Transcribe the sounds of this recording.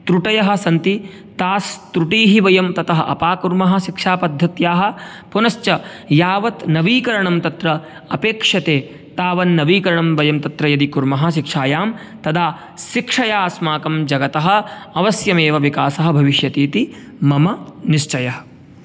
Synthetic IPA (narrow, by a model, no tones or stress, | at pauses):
t̪ɾuʈɐjɐɦɐ̆sɐnt̪i | t̪aːst̪ɾuʈiːɦiʋɐjɐmt̪ɐt̪ɐɦɐʔɐ̰paːkuɾmɐɦɐ̆ʃikʂaːpɐd̪ʱːɐt̪jaːɦɐ̆ | punɐst͡ʃɐ | jaːʋɐt̪nɐʋiːkɐɾɐɳɐmt̪ɐt̪ɾɐ | ɐpeːkʂɐt̪eː | t̪aːʋɐnːɐʋiːkɐɾɐɳɐmʋɐjɐmt̪ɐt̪ɾɐjɐd̪ikuɾmɐɦɐ̆ʃikʂaːjaːm | t̪ɐd̪ʱaː | ʃikʂɐjaːsmaːkɐmd͡ʒɐɡɐt̪ɐɦɐ̆ɐʋɐsjɐmeːʋɐʋikaːsɐɦɐ̆bʱɐʋiʃjɐt̪iːt̪i | mɐmɐniʃt͡ʃɐjɐɦɐ̥̆